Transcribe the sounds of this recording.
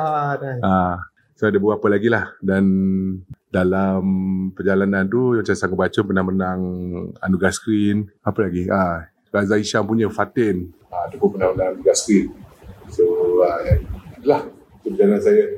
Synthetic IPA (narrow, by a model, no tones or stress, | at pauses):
adaa | soadabəapəlaɡilahdan | dalampərd͡ʒalanant̪uat͡ʃamsaŋat̚bat͡ʃəpənahmənaŋa̰nuɡaskɾinapəlaɡia | razaiʃampuɲə̃fat̪ɪn | aat̪apʊnpənahmənãŋanuɡaskɾinsoajaŋadəlah | kəpəd͡ʒalanansaja